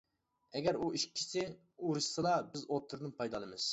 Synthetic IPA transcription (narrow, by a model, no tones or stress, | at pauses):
ɛɡʲɛɾuiʃkʲʰːi̥sɪ | uɾɨʃsɨlˠɑbɪzot̪ʰːɨɾnɨnpʰɑjd̪ɑlˠɨmɨz̥